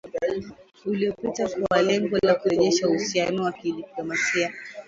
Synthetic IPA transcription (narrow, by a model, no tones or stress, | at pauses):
uliɔpitakuwalɛŋɡɔlakuɾɛʄɛʃauhusianɔwakiɗiplɔmasia